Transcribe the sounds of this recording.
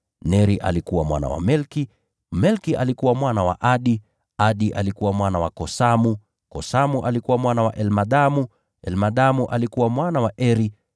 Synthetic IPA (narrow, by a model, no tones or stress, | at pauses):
nɛɾiʔa̰likuwamwa̰na̰wa̰mɛlki | mɛlkiʔalikuwamwanawa̰ʔaɗi | aɗiʔa̰likuwamwanawakɔsamu | kɔsamuʔalikuwamwanawaʔɛlmaɗamu | ɛlmaɗamuʔalikuwamwanawaʔɛɾi